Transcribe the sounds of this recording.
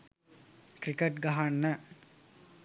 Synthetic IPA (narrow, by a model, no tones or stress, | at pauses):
kɾikəʈɡaɦanːə